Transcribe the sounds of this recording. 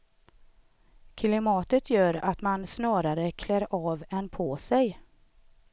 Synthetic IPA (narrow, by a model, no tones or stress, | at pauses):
kʰlɪmɑːt̪ət̪ʰjœːɾat̪mansnɑːɾaɾəkʰlɛːɾɑːvɛnpʰɔːsɛj